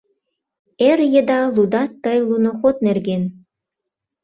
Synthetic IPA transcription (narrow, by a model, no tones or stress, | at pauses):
erjə̆d̪ɑlud̪ɑt̪ːəjlunoxot̪̚nerɣen